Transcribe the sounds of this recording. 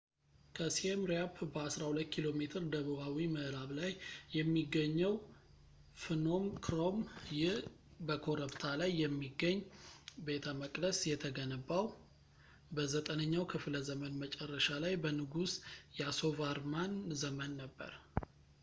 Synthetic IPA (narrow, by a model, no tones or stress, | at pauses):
kʰəsiemɾapːbəasɾahulət̪ːkʰilo̞me̞t̪ʰɨɾd̪əβɨβawiməʔɾaβlajːɛmːiɡːəɲːəw | fɨno̞mkʰɾomjɪh | bəkʰo̞ɾəbt̪ʰalajːɛmːiɡːəɲːbe̞t̪ʰəməkʼləsjɛt̪ʰəɡənəbːaw | bəzət̪ʼənəɲːawkʰɨfləzəmənmət͡ʃʼɛrːəʃalajbənɨɡusjɛaso̞vaɾmanzəmənːəbːə̰ɾ